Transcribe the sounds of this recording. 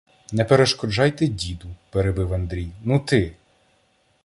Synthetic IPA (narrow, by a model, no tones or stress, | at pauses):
nɛpeɾeʃkɔd͡ʒɑjt̪ɛdʲid̪ʊpeɾebɪwɐnd̪ɾʲijnut̪ɪ